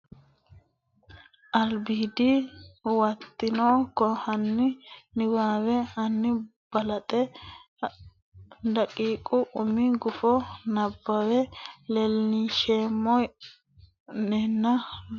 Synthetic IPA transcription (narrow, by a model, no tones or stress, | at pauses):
ʔɐlbiːd̪iwɐt̪ːɪnoːkɔhɐnːɪnɪwaːwɛɐnːɪ | b̥ɐlɐt̪ʼɛ | d̪ɐkʼiːkʼːʊʔʊmɪɡʊfɔnɐbːɐwɛlɛlniʃeːmːɔj | nɛnːɐ